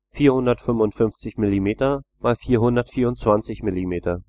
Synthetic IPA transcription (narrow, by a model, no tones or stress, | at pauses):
fiːɐhʊndɐtfʏnvʊntfʏnft͡sɪçmɪlimeːtɐmaːlfiːɐɦʊndɐtfiːɐʊntt͡sv̥ant͡sɪçmɪlimeːtɐ